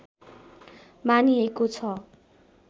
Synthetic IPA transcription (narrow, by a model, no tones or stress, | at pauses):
maniekot͡sʰʌ